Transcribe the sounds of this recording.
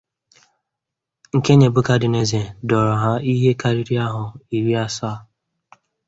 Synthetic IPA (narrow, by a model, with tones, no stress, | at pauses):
ŋ̩˨ke˦ɲe˨bʊ˦ka˨dɪ˨ne˨ze˨dɔ˨ɾɔ˨ɦa˦i˦ɦe˦ka˦ɾi˦ɾi˦a˦ɦʊ˨i˨ɾi˦a˦sa˦˨